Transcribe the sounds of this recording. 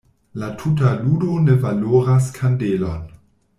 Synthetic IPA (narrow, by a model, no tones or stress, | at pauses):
latʰut̬aludonevaloːɾas̬kʰandelon